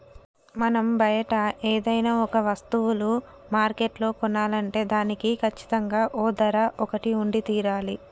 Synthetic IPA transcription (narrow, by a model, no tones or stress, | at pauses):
mɐnɐmbɐjɐʈɐeːd̪ɐjnaːɔkɐʋɐst̪uwulu | maːɾkeʈlo̞ːkɔnːaːlɐɳʈe̞ːd̪aːnikikʰɐt͡ʃːi̥t̪ɐŋɡaːʔoːd̪ɐɾɐʔɔkɐʈiuɳɖit̪iːɾaːli